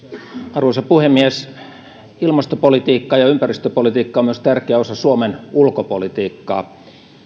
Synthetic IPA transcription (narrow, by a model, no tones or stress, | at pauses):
ɑrʋoˑsɑpuhemːies | ilmɑst̪opolit̪iːkːɑjɑympærist̪øpolit̪iːkːɑomyøst̪ærkeæosɑsuomenulkopolit̪iːkːɑ̰ː